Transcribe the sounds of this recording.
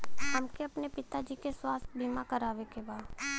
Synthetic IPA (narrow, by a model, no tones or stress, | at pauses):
hɐmkeɐpnepɪt̪ad͡ʒiːkeswaːst̪bʱimakəɾaːʋekebaːd̪